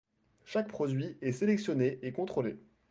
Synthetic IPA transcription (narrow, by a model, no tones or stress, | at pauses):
ʃak̚pχɔd̪ɥiɛselɛksjɔneʔekɔ̃t̪χole